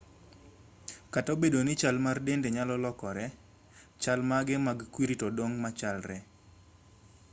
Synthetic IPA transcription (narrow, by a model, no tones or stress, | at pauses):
katobedonɪt͡ʃalmardendeɲalɔlɔkɔɾɛ | t͡ʃalmaɡɛmaɡkwiɾitodoŋmat͡ʃalrɛ